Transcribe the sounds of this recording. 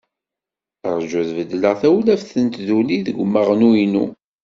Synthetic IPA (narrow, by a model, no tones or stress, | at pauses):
əɾˤd͡ʒʊðvəd̪ːləʁθæwlæfθənt̪ðuliðəɡʷmːəʁnuinṵ